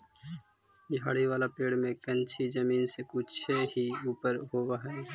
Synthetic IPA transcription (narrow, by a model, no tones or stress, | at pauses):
ja̰ːɽiʋaːlapeːɽmẽkə̃nt͡ʃʰid͡ʒəmiːnsekʊt͡ʃʰehiuːpəɾɦoːwaɦɛ